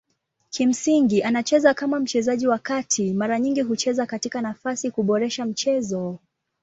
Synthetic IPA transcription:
kim̩siŋɡiʔanat͡ʃɛzakamam̩t͡ʃɛzaʄiwakatʰimaɾaɲiŋɡiɦut͡ʃɛzakatikanafasikuɓɔɾɛʃam̩t͡ʃɛzɔ

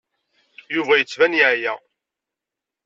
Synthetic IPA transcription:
juvæjət͡sːvænjʕjæ

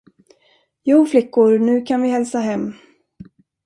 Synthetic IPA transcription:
juːflɪkːʊɾnʉ̟ːkʰanvɪhɛlsaɦɛmː

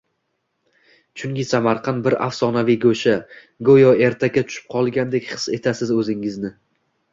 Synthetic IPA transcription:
t͡ʃʰʊŋkʲɪsamaɾqʰɑnbɪɾa̰fsɒnavijɡoʃa | ɡojɒe̞ɾt̪ʰakʲat͡ʃ̪ʰʊ̥ʃɪ̥p̚qʰɒlˠɡʲand̪e̞kʲχɨ̥se̞t̪ʰasɪzɵzɪŋɪznɪ

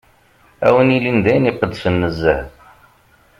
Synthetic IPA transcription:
æ̰wənilind̪æjniqəd̪sənːəzːæ

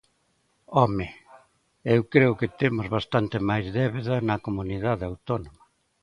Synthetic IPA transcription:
ɔmɪ | ewkɾeʊkɪt̪emʊzβast̪ant̪ɪmajzðɛβeðɐnɐkomuniðaðɪawt̪onomɐ

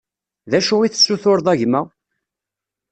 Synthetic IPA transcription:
ðæʃuiθə̥sːuθʊɾðˤæʝmæ

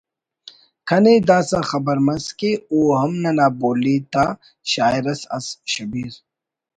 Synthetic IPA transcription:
kʰɐned̪aːsaxɐbɐɾmɐskeoːɦɐmnɐnaːboːlit̪a | ɕaːiɾɐsɐ̰sɕɐbiɾ

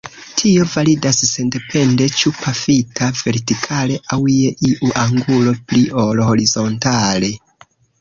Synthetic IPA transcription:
tʰio̞validasːe̞nde̞pʰe̞nde̞t͡ʃupʰafitʰave̞ɾtikʰale̞ʔawjeʔiʔuʔaŋɡulo̞pliolho̞ɾizo̞ntale̞

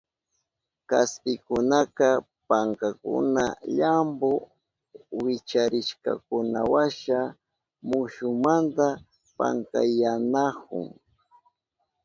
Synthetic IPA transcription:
kaspɪkʊnaka | paŋkakʊ̰naʎambo | wɪt͡ʃaɾɪʃka̰kʊnawaʃa | mʊʃʊmant̪a | pa̰ŋka̰janahʊ̰ŋ

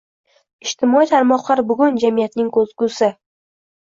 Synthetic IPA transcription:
ɪʃt̪ʰɪmɒit̪ʰaɾmɒqlˠaɾbʊɡʲʊnd͡ʒamijat̪nɪŋkʰɵzɡusɪ

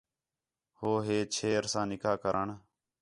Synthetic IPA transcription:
hoːɦeːt͡ʃʰeːɾsãːnɪkʰaːkəɾʔəɳ

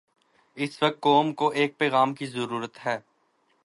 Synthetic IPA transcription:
ɪsʋɐk̚t̪̚koːmkoʔeːk̚pɛːɣaːmkizəɾuːɾət̪ɦɛː

